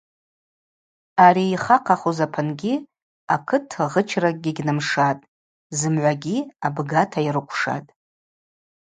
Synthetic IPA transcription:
aɾiːχaqʰaχuzapʰɨnɡʲi | akʰɨtʰʁət͡ʃʰrak̚ʼɡʲiɡʲnɨmʂatʼ | zɨmʕʷaɡʲiabɡatʰairɨkʷʰʂa̰tʼ

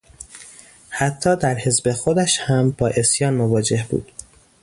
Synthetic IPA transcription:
hæt̪ʰːɒːd̪æɾhe̞zbe̞xod̪æʃhæmbɒːʔe̞sjɒːnmovɒːd͡ʒe̞hbṵːd̪̥

